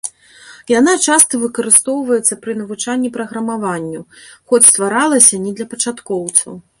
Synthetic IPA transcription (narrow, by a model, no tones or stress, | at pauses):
janat͡ʂast̪ɐvɨkɐɾɨst̪ɔwvɐjɛt̪sːɐpɾɨnɐvut͡ʂanʲːipɾɐɣɾɐmavanʲːuxɔt͡sʲst̪vaɾalˠɐsʲɐnʲɛd̪lʲɐpɐt͡ʂat̪kɔwt̪sɐ̰w